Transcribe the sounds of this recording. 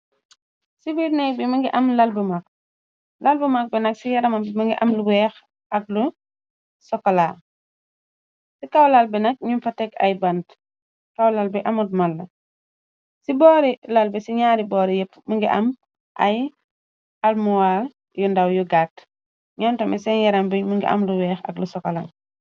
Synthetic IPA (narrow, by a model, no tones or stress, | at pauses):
sibiːɾnɛk̚bimɐŋɡiʔɐmlalbumak̚ | lalbumak̚bɛnɐksijɐɾɐmabimɐŋɡiʔɐmluwɛx | ɐk̚lu | sɔkːɐlaː | sikawlalbɛnɐk̚ɲumfatɛkɐ̰jbant | kawlalbɛʔɐmut̚mɐlːɐ | sibɔːɾilalbɛsiɲaːɾibɔːɾijɛpːməŋɡiʔɐ̰m | ʔɐ̰j | almuwal | jundawjuɡaːt | ɲɔntɐmɛsɛnjɐɾɐmbimuŋɡḭʔɐ̰mluwɛːxɐ̰klusɔkɔla̰ŋ